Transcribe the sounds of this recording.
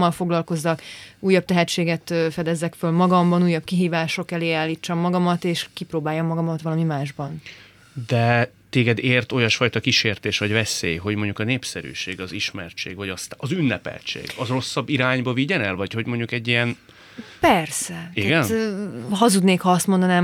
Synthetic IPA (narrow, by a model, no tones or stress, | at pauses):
ɒlfo̞ɡlɒlko̞zːɒkuːjːɒb̚t̪ɛɦɛt͡ʃːeːɡɛt̪ːfɛd̪ɛzːɛkfølmɒɡɒmbɒnuːjːɒb̚kiɦiːvaːʃo̞kɛleːaːlːiːt͡ʃːɒmːɒɡɒmɒt̪eːʃkiproːbaːjːomːɒɡɒmɒt̪ʋɒlɒmimaːʒbɒn | d̪ɛ | t̪eːɡɛd̪eːrt̪o̞jɒʃfɒjt̪ɒkiʃeːrt̪eːʃʋɒɟvɛsḛːjɦo̞ɟmoɲɟukɒneːpsɛɾy̰ːʃeːɡɒziʃmɛ̰rt͡ʃḛːɡvɒɟɒst̪ɒzynːɛpɛ̰lt͡ʃḛːɡɒzro̞sːɒbːiɾaːɲbɒviɟɛnɛlvɒcho̞ɟmo̞ɲɟukɛɟːijɛn | pɛrsɛiɡɛnɦɒzud̪neːkhɒɒst̪mo̞nd̪ɒnaːm